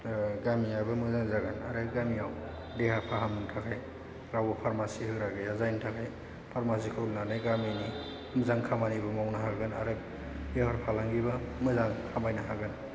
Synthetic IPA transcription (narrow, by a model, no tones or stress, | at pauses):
ɡamiabɯmɯzaŋzaɡanaɾɯɡamiaw | dehapʰahamŋtʰakʰaj | ɾawbɐpʰaɾmasihɯɡɾaɡɯjazajntʰakʰaj | pʰaɾmasikʰɯlnanajɡamini | mɯzaŋkʰamanibɯmawnaɦaɡɯna̰ɾɯ | ehaɾpʰalaŋɡibamɯzaŋkʰamajnaɦaɡɯn